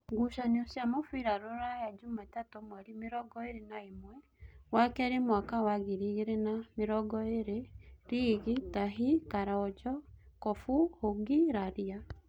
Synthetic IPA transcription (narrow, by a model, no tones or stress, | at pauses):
ɡuʃaneosjamofuiɾaɾoɾajad͡ʒumatatomwaɾimeɾɔɡɔeɾenaemwɛ | wakɛɾemwakawaɣiɾiɣeɾenameɾɔɡɔeɾeɾiɣitaɦikaɾaɔd͡ʒɔkɔfuhoɡiɾaɾia